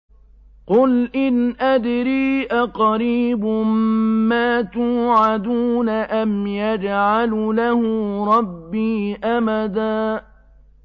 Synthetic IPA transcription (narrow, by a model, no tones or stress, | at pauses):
qʊlʔɪnʔad̪ɾiːʔaqɑɾiːbʊmaːt̪uːʕad̪uːnaʔamjad͡ʒʕallahʊɾˤɑbːiːʔamad̪aː